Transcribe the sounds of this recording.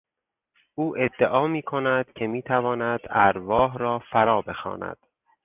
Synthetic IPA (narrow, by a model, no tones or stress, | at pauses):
ʔuːʔe̞d̪ːeʔɒːmiːkʰo̞næd̪̥cʰe̞miːt̪ʰævɒːnæd̪̥æɾvɒːɦɾɒːfæɾɒːbe̞xɒ̰ːnæ̰d̪̥